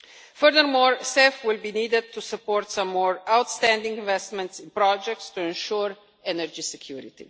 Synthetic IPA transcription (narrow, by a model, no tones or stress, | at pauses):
fəɾðəɾmɔːɹsefwɪlbiniːd̪ɛd̪̚t̪ːusəpɔːɾt̪sãmːɔːɹawt̪st̪æ̃nd̪ɪ̃ŋɡɪ̃nvɛst̪mɛ̃ntsɪ̃npɾɔd͡ʒɛk̚tst̪uɛ̃nʃuɾ | ɛnəɾd͡ʒisɛkʰjuːɾɪ̰t̪ḭ